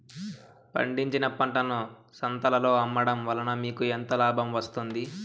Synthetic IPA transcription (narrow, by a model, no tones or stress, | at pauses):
pɐ̰ɳɖiɲt͡ʃinɐpɐɳʈɐnusɐnt̪ɐlɐlo̞ːɐmːɐɽɐmʋɐlɐnɐmiːkuent̪oːlaːbʱɐmʋɐst̪und̪i